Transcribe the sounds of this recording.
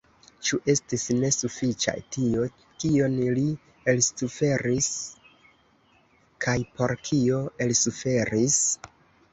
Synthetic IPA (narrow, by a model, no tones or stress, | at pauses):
t͡ʃuʔe̞stisne̞sufit͡ʃa̰jtio̞ | kio̞nli | e̞lsufe̞ɾis | kʰajpo̞ɾkʰio̞e̞lsufe̞ɾis